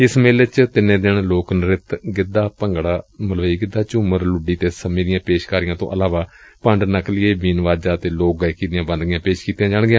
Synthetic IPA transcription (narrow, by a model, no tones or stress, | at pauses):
ɪsmeːlɪt͡ʃt̪ɪnẽːd̪eːɳloːknəɾɪt̪ɡɪd̪aːpəŋɡɽaːməlʋəiːɡɪd̪aːt͡ʃuməɾlʊɖiːt̪eːsəmĩːd̪ɪjãːpeːʃkaːɾɪjãːt̪õ̰ːʔəlaːʋaːpəɳɖnəklɪeːbiːnʋaːd͡ʒaːt̪eːloːk̚ɡaːkiːd̪ɪjãːbə̃nd̪ɡɪjãːpeːʃkiːt̪jãːd͡ʒaːɳɡɪjãː